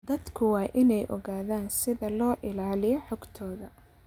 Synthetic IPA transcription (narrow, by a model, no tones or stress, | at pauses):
d̪ɐd̪kʰʊwɑːʔɪnɛjʔɔ̰ɣaːðaːnsɪðɐlɔːʔɪlaːlɪjɔħɔɡt̪ʰɔːðɐ